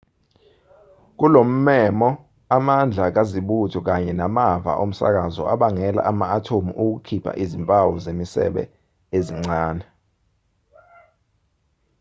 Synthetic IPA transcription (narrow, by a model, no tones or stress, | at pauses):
k̬ulom̩mɛmɔ | amand͡ɮʱak̬aziɓutʰɔk̬aɲɛnamavʱa̰ʔom̩sa̰k̬azɔ̰ʔaɓaŋɛla̰ʔamaːtʰomḭʔuk̬ukʰipʰa̰ʔiziɱpʼawɔzemisɛ̰ɓɛ̰ | eziŋ͡ǀaːnɛ